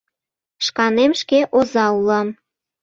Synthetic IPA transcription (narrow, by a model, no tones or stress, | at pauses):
ʃkɑnemʃkeʔozɑulɑm